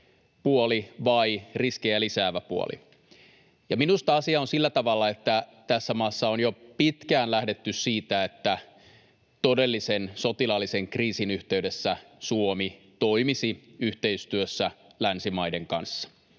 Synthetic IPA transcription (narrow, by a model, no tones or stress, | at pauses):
puoliʋɑiriskejælisæːʋæpuo̰lḭ | jɑminust̪ɑɑsiɑonsilːæt̪ɑʋɑlːɑet̪ːæt̪æsːæmɑːsːɑonjopit̪kæːnlæhdet̪ːyssiːt̪æet̪ːæ | t̪ode̞lːisensot̪ilɑlːiseŋkriːsinyht̪e̞ydesːæsuomi | t̪o̞imisiyht̪e̞ist̪yøsːælænsimɑjdeŋkɑnsːɑ̥